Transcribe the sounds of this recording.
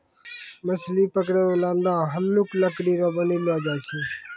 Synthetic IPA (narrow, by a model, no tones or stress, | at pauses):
məslipək̬ɽeoland̪aɦənːukləkɽiɾɔbənilad͡ʒat͡ʃʰi